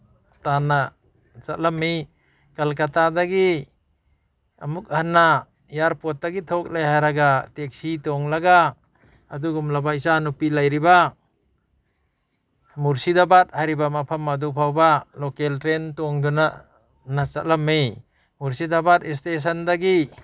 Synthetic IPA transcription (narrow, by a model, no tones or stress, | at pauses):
tana | t͡ʃat̚lamːij | kalkatadaɡi | amuk̚hanːa | jaɾpɔt̚daɡitʰɔk̚lajɦajɾaɡatek̚sitɔŋlaɡaː | d̪uɡumlabaisanupilajɾiba | muɾsidabat̚hajɾibamapʰamadupʰawbalɔkeltɾentɔŋduna | nat͡ʃat̚lamːij | muɾsidabatistes̬ɐnd̪aɡi